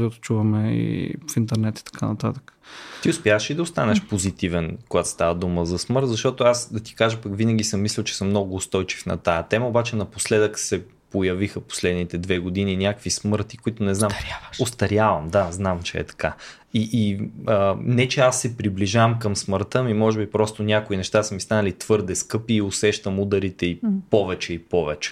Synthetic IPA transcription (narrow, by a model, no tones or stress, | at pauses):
at̪o̥t͡ʃuvɐmɛḭfint̪ɛɾnɛt̪i̥t̪ɐ̥kʰanɐt̪at̪ə̥kə̥t̪iʊspʲjavəʃid̪ɐʊst̪anɛʃpozit̪ivɛnkoɡat̪st̪avəd̪uməzɐsmɤɾt̪zɐʃt̪ɔt̪ʊasd̪ɐt̪i̥kaʒəpɐkvinəɡʲisəmːislʲɛlˠt͡ʃɛ̥sɤmːnɔɡʊːst̪ɔjt͡ʃi̥fnɐ̰t̪ajət̪ɛməobat͡ʃɛnɐposlɛd̪əksɛ | pojɐvixəpo̥slɛd̪nit̪ɛd̪vɛɡod̪ininʲakvismɤɾt̪ikoit̪ʊnɛznaɾaost̪ɐɾjavɐmd̪aznamt͡ʃɛɛ̰t̪ɐ̥ka | iʔiənɛt͡ʃɛasːɛpɾibliʒavəmkəmsməɾt̪ɤmimɔʒɛbipɾɔst̪onʲjakʊinɛʃt̪asəmist̪anəlit̪v̥ɤɾd̪ɛskɤpiːosɛʃt̪əmud̪ɐɾit̪ɛipɔvɛt͡ʃɛipɔvɛt͡ʃɛ̥